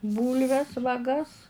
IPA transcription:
ˈbuːlʲʋʲɛs ʋɐˈɡɐs

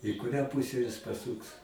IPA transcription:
ɪ kʊˈrʲæː ˈpuːsʲɛ jɪs pɐˈsuːks

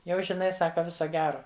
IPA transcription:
ˈjɛʊ ʒʲɪˈnɐɪ ˈsɑːkɐ ˈʋʲɪsoː ˈɡʲæːroː

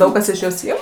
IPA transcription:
ˈdɐʊk kɐs ɪʃ ˈjoːs ˈɪm

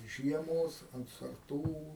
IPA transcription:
ˈʒʲiɛmoːs ɐnt sɐrˈtuː

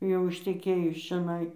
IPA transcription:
jɛʊ ɪʃʲtʲɛˈkʲeːjʊs t͡ʃʲɛˈnɐɪ

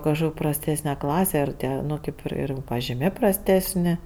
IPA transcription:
kɐʃˈkoːkʲ prɐsʲˈtʲæːsʲnʲɛ ˈklˠɑːsʲɛ ɪr ˈtʲiɛ ˈnʊ kʲeːp ɪr ˈɪr pɐʒʲɪˈmʲeː prɐsʲˈtʲæːsʲnʲɪ

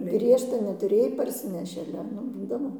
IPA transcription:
ˈɡrʲiɛʃtɐ nʲɛtʊˈrʲeːj pɐrʲˈsʲɪnʲɛʃʲɪ ɐˈlʲɛ ˈnʊ ˈbuːdɐʋoː

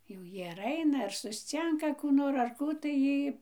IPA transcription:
jɛʊ ˈjiː ɐr ˈɐɪnɐ ɐr sʊsʲˈt͡sʲɪŋkɐ kuː ˈnoːr ɐr ˈkuː tɐɪ ˈjiː

